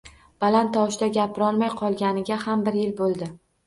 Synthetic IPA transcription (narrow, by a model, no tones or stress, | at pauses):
b̥alant̪ʰːɒʃd̪aɡʲapʰɪɾɒlˠmajqʰɒlˠɡʲanɪɡʲahambɪɾjɪlbolˠd̪ɪ